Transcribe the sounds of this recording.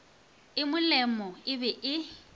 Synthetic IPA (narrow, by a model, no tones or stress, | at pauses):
ɪmʊlɛmɔɪbɛʔɪ